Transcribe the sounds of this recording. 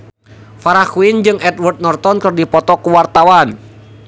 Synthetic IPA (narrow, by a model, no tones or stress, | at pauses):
faɾakuind͡ʒɨŋɛtwərt̪̚nɔrt̪ɔnkɨrdipɔt̪ɔkuwart̪awan